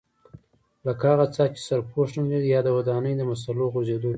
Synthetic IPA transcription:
lakhɑɣat͡sɑt͡ʃi̥saɾpʰoʂnannad̪ijɑd̪əwad̪ɑnəjd̪əmas̬aloɣozed̪o

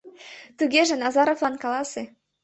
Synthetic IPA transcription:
t̪uɣeʒĕnɑzɑɾovlɑnkɑlɑse

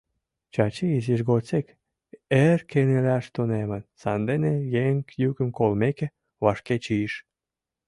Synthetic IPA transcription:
t͡ɕɑt͡ɕiiziʃɣot͡sek | erkenelʲæʃt̪unemə̆nsɑnd̪enejeŋkjykə̆mkolmeke | βɑʃket͡ɕiʃ

